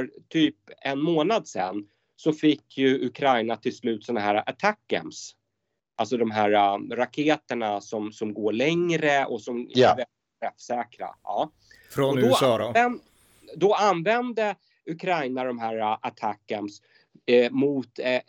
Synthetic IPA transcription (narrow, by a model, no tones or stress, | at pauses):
œɾt̪ʰyːpɛnmoːnad̪sɛ̰nː | sɔfɪkʰːjɵɵkʰɾajnat̪ʰɪlslʉ̟ːt̪sɔnaɦæːɾaʔat̪ʰakːə̰ms | ʔalsɔd̪ɔmɦæːɾaɾakʰeːt̪əɳasɔmsɔmɡoːɭɛŋɾəɔsɔmævɛlɪtt̪ɾɛfsɛːkɾa̰ɑː | fɾɔɔd̪ɔɾɛ | d̪ɔanːvɛnd̪ə | ɵkʰɾajnad̪ɔmɦæːɾaʔat̪ʰakːəns | mʊt̪